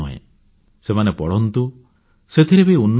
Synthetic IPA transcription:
uɦḛ̃ | semanepɔɽɔnt̪u | set̪ʰiɾebiiunː

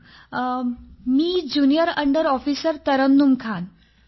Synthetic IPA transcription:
miːd͡ʑunijəɾəɳɖəɾɔfiːsəɾt̪əɾənːumkʰan

